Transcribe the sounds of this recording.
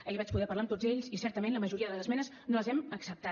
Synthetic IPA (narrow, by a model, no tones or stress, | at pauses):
eʎβat͡ʃpuðɛpəɾlaəmt̪od͡zeʎsisɛɾt̪əmenləməʒuɾiəðələzəzmɛnəz | noləzɛməksəp̚t̪a